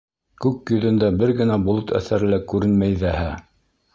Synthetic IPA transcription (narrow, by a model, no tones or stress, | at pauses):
kʉkjɵ̆ðɘ̆nd̪æbɘɾɡɘ̆næbulˠot̪ʰæ̰θæɾɘ̆lækʉɾɘnmæjðæhæ